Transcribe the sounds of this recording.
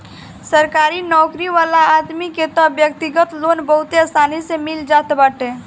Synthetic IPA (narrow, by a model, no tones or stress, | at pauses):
səɾkaːɾinɔːkɾiʋaːlaaːd̪miket̪ɔbjək̚t̪ɪɡət̪loːnbɐɦʊt̪eɐsaːnisemɪld͡ʒaːt̪bəʈẽː